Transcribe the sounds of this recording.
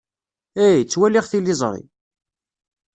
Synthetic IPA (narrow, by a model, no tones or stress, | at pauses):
æjt͡sːwælɪʁθilːizˤɾˤḭ